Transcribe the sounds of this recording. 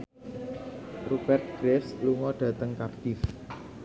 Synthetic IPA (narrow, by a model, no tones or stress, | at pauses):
rub̥ɛrt̪̚ɡ̥ɾɛfluŋɔɖ̥ä̤t̪əŋkapt̪ɪf